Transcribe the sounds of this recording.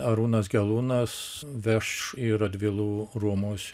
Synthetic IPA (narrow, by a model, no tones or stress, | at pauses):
ɐɾuːnɐsɡʲɛlˠuːnɐs | ʋʲɛʃiɾɐd̪ʲʋʲɪlˠuːruɔmuːsʲ